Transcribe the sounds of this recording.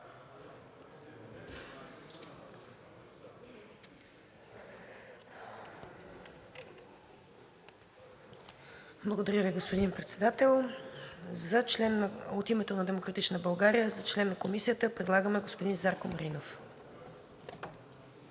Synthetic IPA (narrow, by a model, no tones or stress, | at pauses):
blˠəɡod̪ɐɾʲjəviɡospod̪inpɾɛt̪sɛd̪at̪ɛlˠ | zət͡ʃlɛnːot̪imɛt̪onɐd̪ɛmokɾɐt̪it͡ʃnəbɐlˠɡaɾijəzɐt͡ʃlɛnːɐkomisijət̪əpɾɛd̪lˠaɡəmɛɡospod̪inzaɾkomɐɾinof